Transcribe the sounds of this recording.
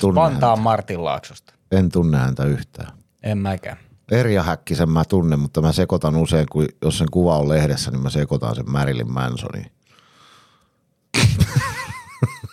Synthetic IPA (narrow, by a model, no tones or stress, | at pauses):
t̪unːpɑnt̪ɑːmmɑrt̪illɑ̰ˑːksust̪ɑ̥ | ent̪unːehænt̪æyht̪æ̰ː | emmækæ̰ | eriɑhækːisemmæt̪unːemmut̪ːɑmæsekot̪ɑnuseˑiŋkujosseŋkuʋɑollehɾesːænimæsekot̪ɑ̰nsemmærilḭmmæ̰nso̰nḭ̃